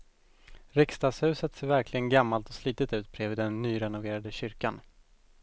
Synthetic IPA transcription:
ɾɪkst̪ɑːɡshʉ̟ːsət̪seːɾvæɾklɪɡənɡamːalt̪ɔsliːt̪ət̪ʉ̟ːt̪̚bʰɾɛːvɪːd̪ɛnːyːɾɛnʊveːɾad̪əɕʏɾkan

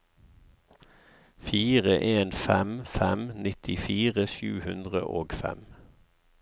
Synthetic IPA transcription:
fiːʁəʔeːnfɛmfɛmnɪt̪ʰɪfiːʁəʃʉːhʉnd̪ʁə̰ʔoːɡfɛ̰m

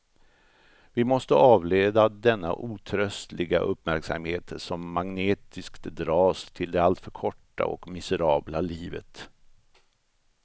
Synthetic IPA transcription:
vɪmɔst̪əʔɑːvleːd̪ad̪ɛnːa̰ʔuːt̪ʰɾœst̪lɪɡa̰ʔɵpːmæɾksa̰mheːt̪ʂɔmːaŋneːt̪ɪskt̪d̪ɾɑːst̪ʰɪld̪ɛalt̪fœɾkʰɔʈːa̰ɔ̰kmɪsəɾɑːblaliːvə̰t̪

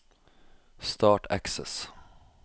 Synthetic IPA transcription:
st̪ɑːʈʰæ̰ksɛs

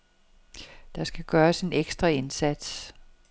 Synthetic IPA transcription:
d̥ɑ̈sɡ̥æɡ̥ɶːɐse̝neɡ̥sd̥ʁɑe̝nsæd̥s

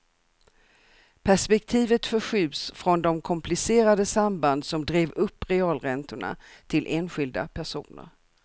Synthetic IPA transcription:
pʰæʂpɛkt̪ʰiːvət̪fœɧyːbsfɾɔnd̪ɔmkʰɔmpʰlɪseːɾad̪əsamband̪sɔmd̪ɾeːvɵpːɾɛɑːlɾɛnt̪ʊɳa̰t̪ʰɪlʔeːnɧɪld̪a̰pʰæʂṵːnə̰ɾ

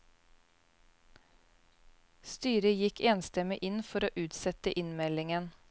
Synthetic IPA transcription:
st̪yːɾəjɪkeːnst̪ɛmɪʔɪnfɔɾoːʔʉːt̪sɛt̪əʔɪnmɛlɪŋən

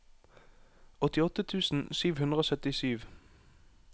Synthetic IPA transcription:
ɔt̪ɪɔt̪ət̪ʰʉːsn̩syːʋhʉnd̪ʁəoːsœt̪ɪsyːʋ

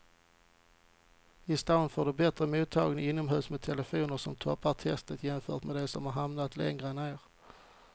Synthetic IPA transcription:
ɪst̪aʊnfoːɖɵbɛt̪ɾəmuːt̪ʰːɑːɡnəɪnːɔmɦʉːsmɛt̪ʰɛləfuːnəɾʂɔmt̪ʰɔpːaʈʰɛst̪ət̪jɛmfœ̰ːʈmɛd̪ɛsɔmhaɾɦamnat̪lɛ̰ŋɾəɛneːɾ

